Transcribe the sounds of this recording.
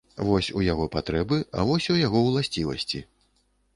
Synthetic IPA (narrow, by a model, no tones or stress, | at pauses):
vɔsʲujaɣɔpat̪ɾɛbɨa̰vɔsʲujaɣɔwlˠasʲt͡sʲivɐ̰sʲt͡sʲi